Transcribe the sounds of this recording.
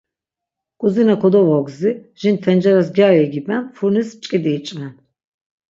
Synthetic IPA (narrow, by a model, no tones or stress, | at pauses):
kʼuzinakʰɔd̪ɔvɔɡziʒ̥int̪ʰɛnd͡ʒɛɾas̬ɡʲaɛɡibɛnfuɾnist͡ʃʼkʼid̪iːt͡ʃʼvɛn